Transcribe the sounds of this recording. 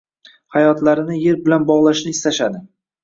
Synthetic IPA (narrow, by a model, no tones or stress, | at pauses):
hajɒt̪laɾɪnɪje̞ɾbɪlanbɒʁlˠaʃlɪɪst̪ʰaʃad̪ɪ